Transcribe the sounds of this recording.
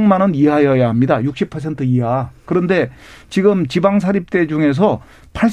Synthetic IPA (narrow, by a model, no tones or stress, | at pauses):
ŋmanʌniɦajʌjaɦamɲidajuk̚ɕ͈ipʰʌs̬ʰe̞ntʰɯiɦakɯɾʌnde̞t͡ɕiɡɯmt͡ɕibaŋs̬ʰaɾip̚t͈e̞d͡ʑuŋe̞s̬ʰʌ | pʰaɭɕ